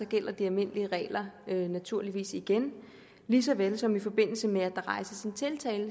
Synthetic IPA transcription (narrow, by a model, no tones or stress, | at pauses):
ɒ̽ɡ̥el̰ɐd̥iælme̝n̰əliəʁɛ̰ːlɐønæt͡sʰuɐliʋḭːsiɡ̥en | lisɒ̽ʋelsɒ̽mifɒ̽b̥e̝n̰l̩səmeæd̥ʁɑ̈ɪsəsint͡sʰe̝lt͡sʰɛːl